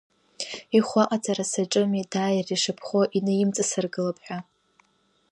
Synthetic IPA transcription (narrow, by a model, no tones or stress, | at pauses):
iχʷaqʼat͡sʼaɾasaʈ͡ʂʼɨmidaːjriʂɨpʰχʷoʔinɨjɪmt͡sʼɨsɨrɡɨlapʰʼħᶣʷa